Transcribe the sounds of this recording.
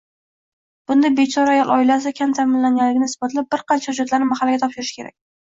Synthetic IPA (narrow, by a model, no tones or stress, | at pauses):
b̥ʊnd̪abe̞t͡ʃʰɒɾajɒlˠɒ̰ɪlas̬ɪkʲʰant̪ʰamɪnlaŋɡʲanlːɪɡʲɪnɪɪsbɒt̪ɪlap̚bɪɾqɑnt͡ʃʰahʊd͡ʒɒt̪laɾnɪmahalːɪɡʲat̪ʰɒpʃɪɾɪʃkʲʰe̞ɾa̰k̚ʲ